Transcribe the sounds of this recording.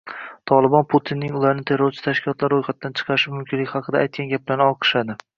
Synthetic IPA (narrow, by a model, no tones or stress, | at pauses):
t̪ʰɒlˠɪbɒnpʰut̪ʰinːɪŋʊlˠaɾnɪt̪ʰe̞ɾoɾt͡ʃʰɪ̥t̪ʰaʃkʲʰɪlˠɒt̪laɾojqɑt̪̚ːd̪ant͡ʃʰɨ̥qʰɑɾʃɪmʊmkʲʰɪnlɪkʲhɑqʰɨd̪aːjt̪̚kʲanɡʲap̚laɾnɪɒlˠqʰɨ̥ʃad̪ɪ